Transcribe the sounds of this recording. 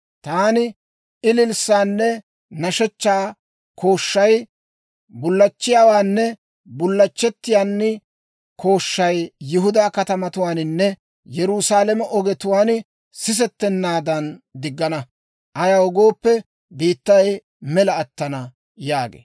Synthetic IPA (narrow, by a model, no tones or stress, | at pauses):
t̪aːnɪ | ɪlɪlsaːnːɛ | nɐʃɛt͡ʃːaː | kʰo̞ːʃːɐj | bʊlːɐt͡ʃːɪjaːwaːnːɛ | bʊlːɐt͡ʃːɛt̪ːɪjaːnːɪ | kʰo̞ːʃːɐjjɪɦʊd̪aːkɐt̪ɐmɐt̪ʊwaːnnːɛ | jɛɾusaːlɛmɛʔɔɡɛt̪ʊwaːn | sɪs̬ɛt̪ːɛnːaːd̪ɐnd̪ɪɡːɐnɐ | ʔɐjaɔɡoːpːɛ | biːt̪ːɐj | mɛlɐːt̪ːɐnɐ | jaːɡḛː